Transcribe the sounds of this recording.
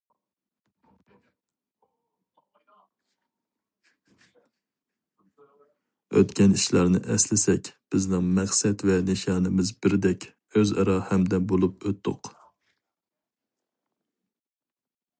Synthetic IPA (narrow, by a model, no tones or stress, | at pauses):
ø̰t̪kʲɛniʃlæɾnɪ̰ʔɛslɪsɛkʲb̥ɪznɪŋmæχsɛt̪vɛnɪʃɑːnɪmɪzbɪɾd̪ɛkʲ | øzɑ̰ɾɑhɛmd̪ɛbolˠupøt̪ʰːʊ̰q